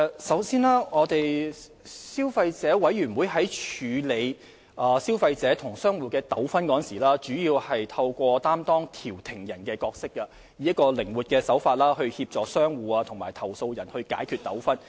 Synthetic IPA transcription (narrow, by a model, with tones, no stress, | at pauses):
sɐ˨˥wsiː˥naː˥ŋɔː˨˧t̪e˨j | siː˥wfɐ˧jt͡sɛː˨˥wɐ˨˥jɥyː˨˩nwu˨˧jɦɐ˨˥jt͡ʃʰyː˨˧le˨˧j | ʔɐː˨siː˥wfɐ˧jt͡sɛː˨˥t̪ʰʊ˨˩ŋsœː˥ŋwuː˨˧kɛː˧t̪ɐ˨˥wfɐ˥nkɔː˨˥˨nsiː˨˩laː˥t͡ʃyː˨˥jiː˧whɐ˨jt̪ʰɐ˧wkʷɔː˧t̪aː˥mt̪ɔː˥ŋt̪ʰiː˨˩wt̪ʰɪ˨˩ŋjɐ˨˩nkɛː˧kɔː˧k̚sɪ˥kːɐ˧ | jiː˨jɐ˥kɔː˧lɪ˨˩ŋwuː˨t̚kɛː˧sɐ˨˥wfaː˧t̚laː˥hɵ˧ɥhiː˧p̚t͡sɔː˨k̚sœː˥ŋwuː˨ɐ˧t̪ʰʊ˨˩ŋmaː˨˩jt̪ʰɐ˨˩wso˧wjɐ˨˩nhɵ˧ɥka̰ː˨˥jkʰyː˧t̚t̪ɐ˨˥wfɐ˥n